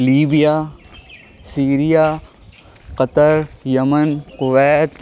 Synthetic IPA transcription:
liːbijaː | siːɾijaː | qɐt̪əɾjɐmənqʊʋɛːt̪

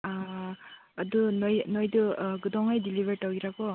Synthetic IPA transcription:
dunɔjnojdɯɡɯdɔŋajdilibeɾtawɡiɾakɔ

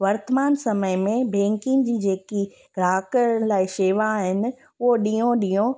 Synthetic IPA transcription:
ʋɐɾt̪əmaːnsɐməɪmẽbẽːŋkɪ̃ŋd͡ʑiːd͡ʑeːki | ɡɾaːkə̃laːɪʃeːʋaɦɪnɪ̆ | ʊɦoɗijõɗiːõ

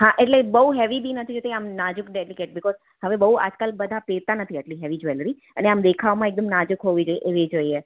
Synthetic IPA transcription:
ɦãʔeʈlebəɦuɦɛʋibʱinət̪ʰid͡ʒot̪ʰiamnad͡ʒʊkɖelikeʈ̚bɪkɔz | həʋebəɦua̰d͡ʒkalbəd̪ʱapeɾt̪anət̪ʰiəʈliɦɛʋid͡ʒʋeləɾi | əneamd̪ekʰaʋmãek̚d̪əmnad͡ʒukɦoʋid͡ʒojeʔeʋid͡ʒoie

